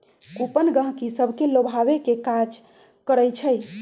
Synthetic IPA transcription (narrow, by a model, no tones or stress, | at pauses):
kupənɡə̃ɦkisəbʱkelobʱaʋekekad͡ʒ | kəɾəjt͡ʃʰəj